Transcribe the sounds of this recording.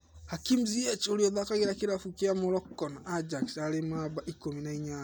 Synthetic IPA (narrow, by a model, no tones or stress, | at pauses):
hakimziɛt͡ʃoɾiɔðakaɣeɾakiɾafukeamɔɾɔkːɔnaad͡ʒaksaɾemabaʔikominaiɲa